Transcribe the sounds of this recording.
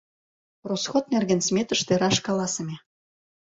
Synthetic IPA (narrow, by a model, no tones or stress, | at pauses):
rosxot̪̚nerɣĕnsmʲet̪ə̆ʃt̪eɾɑʃkɑlɑsəmʲe